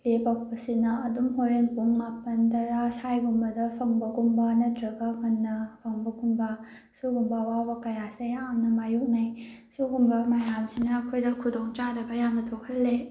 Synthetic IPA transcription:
lepɐk̚pɐsinɐɐdumɦoɾenpuŋmapɐntʰɐɾasajɡumbɐdɐpʰɐŋbɐɡumbɐnɐtɾɐɡɐkɐnːɐpʰɐŋbɐɡumbɐ | suɡumbɐwabɐkɐjasejamnɐmajuk̚najsuɡumbɐmajamsinɐːkʰojdɐkʰudoŋt͡ʃaɾɐɡɐjamnɐtʰokʰɐlːe

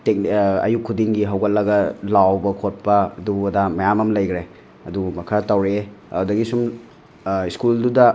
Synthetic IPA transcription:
tek̚nɐ̰jukʰudiŋɡiɦɐwɡɐt̚lɐɡɐlawbɐkʰot̚pɐɐduɐdamɐjamɐmlɐjɡɾe | ɐdumɐkʰɐtawɾeeɐdɐɡisum | iskuldudɐ

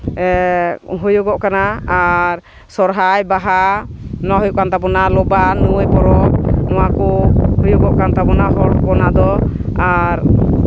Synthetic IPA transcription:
ɦujuɡɔʔkanaaɾ | sɔɾɦajbaɦanaɦɔjuʔkant̪abɔnalɔbanuwəjpɔɾɔnɔwakɔhujuɡɔʔkant̪abɔnaɦɔɽɔkɔnad̪ɔ | aɾ

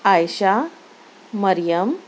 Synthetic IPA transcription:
ajɕaː | əɾjəm

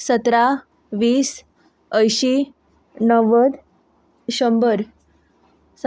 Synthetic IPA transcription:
sət̪ɾa | ʋiːs | əjɕi | nəʋəd̪ | ɕəmbəɾ | s

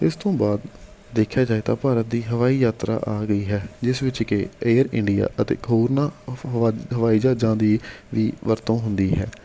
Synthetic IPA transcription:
ɪst̪õːbaːd̪ː | eːkʰːjaːd͡ʒaːeːt̪aːpaːɾət̪̚d̪iːɦəʋaːiːjaːt̪ɾa̰ːʔaːɡəiːɦɛːd͡ʒɪsʋɪt͡ʃkeeːɾɪɳɖɪja̰ːʔət̪ḛːɦoːɾnãː | ɦəʋaːiːd͡ʒaːd͡ʒãːd̪iːʋiːʋəɾt̪õːɦʊnd̪iːɦɛ̰ː

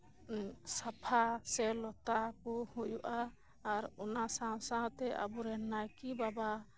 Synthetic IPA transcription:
sapʰasɛlɔt̪akɔhujuʔaː | ɾɔnasãsaɦt̪ɛʔa̰buɾɛnajkibaba

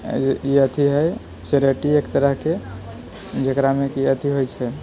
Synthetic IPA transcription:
iət̪ʰiɦəj | seɾeʈiekt̪əɾəɦke | d͡ʒekɾamekiət̪ʰiɦojt͡ʃʰɛ

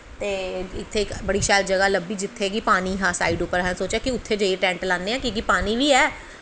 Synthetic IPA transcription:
t̪eːɪt̪ʰːeːɪkbəɽiːʃaːjd̪d͡ʒəɡaːləbiːd͡ʒɪt̪ʰːeːɡipaːniːɦaːsa̰ːiːɖʊpəɾɦɛ̃nsoːt͡ʃjaːkɪʊt̪ʰːeːd͡ʒəeʈɛ̃ːɳʈlãːnd̪eːãːkĩːk̬ipaːniːʋiːɛː

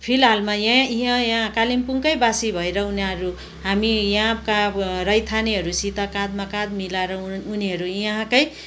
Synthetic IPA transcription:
pʰilɦalmajãiɦãjãkalimpuŋkʌjbasibʱʌeɾʌunaʌɾu | ɦamijãkarʌjt̪ʰaniɦʌɾusit̪akãd̪makad̪milaɾʌːniɦʌɾujɦãkʌj

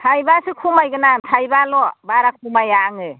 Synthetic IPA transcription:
tʰajbasɯkʰumajɡɯnamtʰajbalɔbaɾak̚pumajaŋɯ

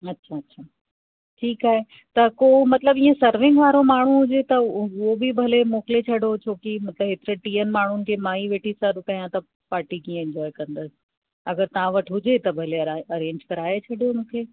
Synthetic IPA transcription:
ɐtːɕʰaɐtːɕʰaː | ʈʰiːkaːɦe | t̪ɐkoːmɐt̪ləbĩːə̃sɐɾʋɪ̃ŋɡʋaːɾomaːɳ̤uɦʊd͡ʑet̪ɐʊɦobibʱɐlemoːkɪlet͡ɕʰɐɽot͡ɕʰoːkimɐt̪ləbɦeːt̪ɪɾeʈiːənmaːɳ̤ʊnɪ̆kʰeːmãːiʋeːʈʰisɐɾkɐjãt̪ɐ | paːɾʈikĩːə̃ɛ̃ɲd͡ʑɔːɪkɐ̃nd̪əsɪ̥ | ɐɡəɾt̪ɐʋ̤ãʋɐʈʰɦʊd͡ʑet̪ɐbʱɐleɐɾẽːɲd͡ʑkɐɾaːet͡ɕʰɐɽʱijomũkʰeː

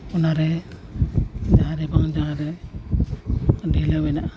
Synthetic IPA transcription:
unaɾɛ | d͡ʒaɾɛbaŋd͡ʒaɾɛ | dɛlawɛna

